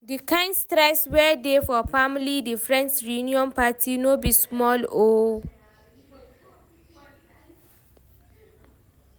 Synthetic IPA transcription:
dikãɪ̃ndstɾɛswɛdefɔfamlidifɹɛ̃nsɹijuniɔ̃npatʰinobismɔlo

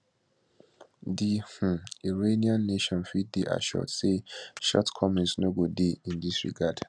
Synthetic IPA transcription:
dih̩iɹeniãnːeʃɔ̃nfit̚deʔa̰ʃɔ̰tseʃɔ̰tkʰɔmɛ̃nsnoɡodeĩndisɹḭɡad̥

